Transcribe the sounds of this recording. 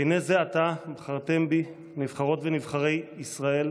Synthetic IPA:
inezeat̪abχaʁt̪e̞mbi | nivχaʁo̞t̪venivχaʁe̞jisʁae̞l

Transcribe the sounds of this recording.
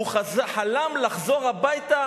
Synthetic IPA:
uχazaħalamlaχzo̞ʁabajt̪a

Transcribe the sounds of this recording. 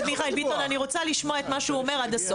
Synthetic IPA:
dmiχaelbit̪onaniʁo̞t͡saliʃmoaet̪maʃeuome̞ʁad̪aso

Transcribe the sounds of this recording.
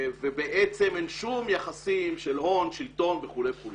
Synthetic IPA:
vebeʔet͡se̞menʃumjaχasimʃe̞lho̞nʃilt̪o̞nveχuleχul

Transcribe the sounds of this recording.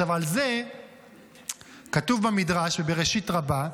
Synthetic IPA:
avalze̞ | katuvbamidʁaʃvebe̞ʁeʃitʁaba

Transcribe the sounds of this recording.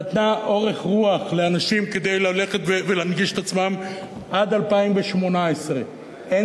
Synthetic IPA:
at̪naʔo̞ʁe̞χʁuaχleanaʃimke̞d̪e̞jlale̞χet̪vevelanɡiʃet̪at͡smam | ʔad̪alpaimveʃmo̞naesʁe̞ | e

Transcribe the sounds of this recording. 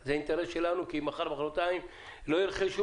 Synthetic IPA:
zeaint̪eɾesʃe̞lanukimaχaʁbaχalot̪aim | lo̞jilχeʃu

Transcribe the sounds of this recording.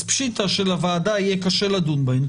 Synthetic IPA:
pʃit̪aʃelavaːd̪aijɛkaʃelad̪unban

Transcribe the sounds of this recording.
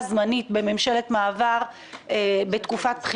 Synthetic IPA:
zmanitbe̞me̞mʃe̞le̞tmaːvaʁ | ebe̞tkufat̚pχi

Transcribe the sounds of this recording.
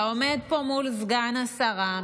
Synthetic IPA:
omed̪̚po̞mulzɡanasaʁa

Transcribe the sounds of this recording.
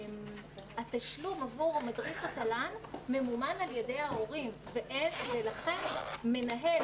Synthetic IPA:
mataʃlumavuʁamadʁiχat̪alanmemumanaljedejao̞ʁimveʔenvelaχe̞nme̞naɦe̞l

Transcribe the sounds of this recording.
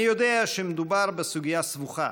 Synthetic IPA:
ijo̞d̪eaʃemed̪ubaʁbesuɡijasvuχa̰

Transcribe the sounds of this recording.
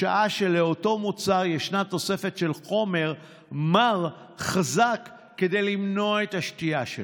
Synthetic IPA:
aʔaʃeleo̞to̞mut͡saʁjeʃnat̪o̞se̞fe̞tʃe̞lχo̞me̞ʁ | maʁ | χazakː | e̞de̞jlimno̞ae̞taʃtiaʃe

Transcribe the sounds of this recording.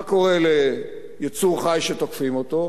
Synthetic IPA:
ko̞ʁele | jit͡suʁχajʃet̪okfimot̪o

